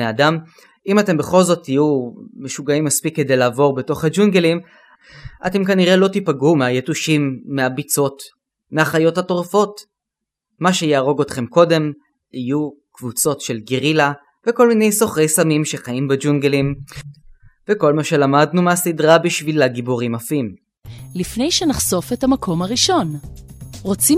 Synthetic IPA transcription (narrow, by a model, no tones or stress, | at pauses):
eadam | imate̞mbeχo̞lzo̞tʰːijume̞ʃuɡaimːaspikːe̞d̪e̞jlaːvo̞ʁbeto̞χhad͡ʒunɡelim | ʔa̰te̞mkaniʁe̞lo̞tipaɡumeajetuʃimːeabit͡so̞t | meaχajo̞thato̞ʁfo̞t | maʃe̞jaːʁo̞ɡo̞t̪χe̞mko̞de̞m | ijukvut͡so̞tʃe̞lɡiʁila | veko̞lmine̞jso̞χʁejsamimʃe̞χaimbed͡ʒunɡelim | veko̞lmaʃe̞lamadnumeasidʁabiʃvilaɡiboʁimafim | lifne̞jʃenaχso̞fethamakʰo̞maʁiʃo̞n | ʁot͡si